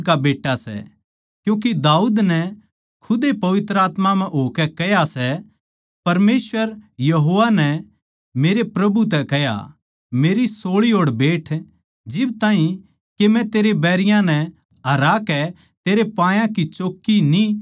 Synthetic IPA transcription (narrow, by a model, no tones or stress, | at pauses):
kabeːʈːasɛ̰ | kjũːk̬id̪aːuːd̪nɛ | kʰʊd̪epɐʋɪt̪ɾəaːt̪mamɛ̃ɦoːkɛkɛjasɛ | pɐɾmeːsʋəɾjɐɦoːʋanɛ | meːɾepɾɐbut̪ɛkɛja̰ | meːɾisoːɭiɦoːɽbeːʈʰ | d͡ʒɪbt̪aːɦĩ | kemɛ̃t̪eːɾebɛːɾɪjãnɛ | ɦɐɾaːkɛ | t̪eːɾepãːjãkit͡ʃoːkːini